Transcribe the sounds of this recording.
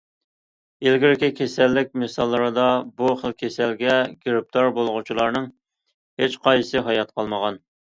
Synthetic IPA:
elɡʲiɾɪkʲɪkʲʰesɛlːɪk̚ʲmɨsɑlˠːəɾɨd̪ɑbuχəlˠkʲʰesɛlɡʲɛɡʲiɾɪp̚t̪ʰɑɾbolˠəʁut͡ʃʰilˠɑɾnɨŋ | het͡ʃqɑjsɨɦɑjɑt̪̚qʰɑlˠməʁɑn

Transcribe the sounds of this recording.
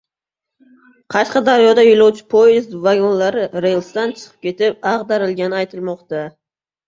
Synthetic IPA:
qʰɑʃqɑd̪aɾjod̪ajʊlˠawt͡ʃʰɪ̥pʰojɪzt̪vaɡonlaɾɪɾejlˠst̪ant͡ʃʰɨ̥qʰɨ̥p̚kʲʰe̞t̪ɪp̚ɑqd̪aɾɪlɡʲanɪajt̪ʰɪlˠmɒqt̪a

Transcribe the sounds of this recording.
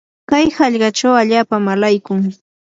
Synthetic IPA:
kajhɑʎɢɑt͡ʃawaʎaːpamalajkʊŋ

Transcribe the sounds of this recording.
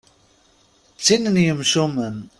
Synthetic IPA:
t͡sːinənjəmʃumən

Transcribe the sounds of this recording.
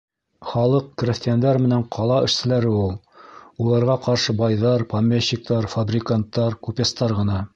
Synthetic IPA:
χɑlˠɤq̚krʲɪsʲt̪jand̪ɑɾmɘ̆næɴqʰɑlˠɑɘ̆ʃsɘ̆læɾɘulˠ | ulˠɑɾʁɑqɑɾʃɤbɑjðɑɾpɐmʲːeɕːik̚t̪ɑɾfabrʲɪkant̪ːɑɾkupʲest̪ɑɾʁɤ̆nɑ

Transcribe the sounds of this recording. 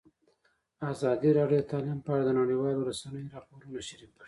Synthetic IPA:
azɑd̪iɾɑɖjod̪ət̪ʰɑlimpəaɽad̪ənaɽiwɑloɾasanəjoɾɑpoɾunaʃaɾikaɽi

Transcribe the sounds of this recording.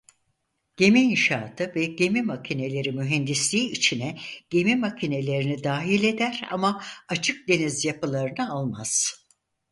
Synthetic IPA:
ɟ̥e̞miːnʃaːt̪ʰɯvɛɟe̞mimacʰine̞lʲe̞ɾimyɦɛnd̪islʲiːit͡ʃʰinɛɟ̥e̞mimacʰine̞lʲe̞ɾinid̪aːɦilʲe̞d̪æɾa̰maat͡ʃʰɯk̚d̪e̞nizjapɯlˠaɾɯnɯalˠmaz̥

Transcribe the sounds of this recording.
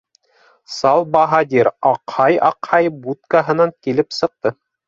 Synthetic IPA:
sɑlˠbɑɦɑd̪ʲiɾɑqhɑjɑ̰qhɑjbut̪̚kaɦɤ̆nɑŋkilɘpsɤ̆q̚t̪ɤ

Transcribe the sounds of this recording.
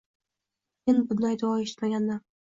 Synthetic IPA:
enbʊd̪ajd̪awɒe̞ʃɪ̥t̪maɡʲand̪an

